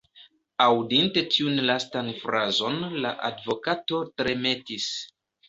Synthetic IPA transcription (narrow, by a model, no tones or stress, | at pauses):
awdinte̞tʰiunlastanfɾazo̞nla̰ʔa̰dvo̞kato̞tɾe̞me̞tis